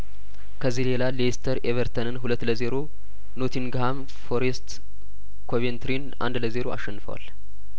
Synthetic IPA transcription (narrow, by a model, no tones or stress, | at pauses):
kʰəzːihle̞lalest̪ʰəɾeβəɾt̪ʰənɨnɦulət̪ːləze̞ɾo̞ | not̪ʰinɡham | fo̞ɾest̪ | kʰoβent̪ʰɾinʔa̰nd̪ləze̞ɾo̞a̰ʃːɛnːɨfə̰wa̰l